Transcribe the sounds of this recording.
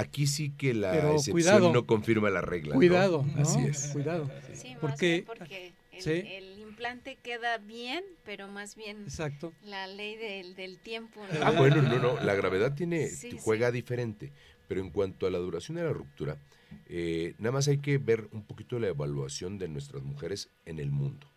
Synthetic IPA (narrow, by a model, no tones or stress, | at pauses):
akisikelaeɾoes̬ewuisðaoðonːo̞ko̞ɱfiɾmala̰re̞ɣla̰wiðaðoosḭeskwiðaðosḭsipoɾkepoɾke | sielimplant̪e̞keðaβje̞npe̞ɾomazβje̞nesak̚t̪olalejðed̪elt̪jempoabwennonono̞laɣɾaβe̞ðaðt̪̬ːjenexwe̞ɣaðife̞ɾe̞nt̪e̞ | pe̞ɾo̞e̞ŋkwant̪oalaðuɾasjo̞nd̪e̞larup̚t̪uɾa̰ | enaðamas̬ajke̞βe̞ɾumpo̞kit̪oelaeβalwa̰sjo̞nd̪e̞nwe̞st̪ɾazmuxe̞ɾe̞s | ene̞lmũnd̪o